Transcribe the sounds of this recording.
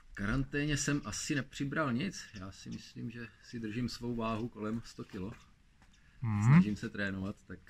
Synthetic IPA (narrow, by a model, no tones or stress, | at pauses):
kaɾant̪ɛːɲɛsɛmʔasɪnɛpr̝̥ɪbɾalɲɪt͡sjaːsɪmɪslḭːmʒɛsɪd̪r̩ʒiːmsvo̞wvaːɦuko̞lɛmst̪o̞kɪlo̞ | snaʒiːmsɛt̪ɾɛːnovat̪ːak